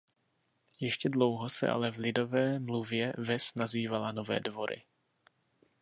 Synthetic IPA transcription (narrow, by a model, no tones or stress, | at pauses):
jɛʃcɛdlo̞wɦosɛ̰ʔa̰lɛvlɪdo̞vɛːmluvjɛvɛsnaziːvalano̞vɛ̰ːdvo̞ɾɪ̰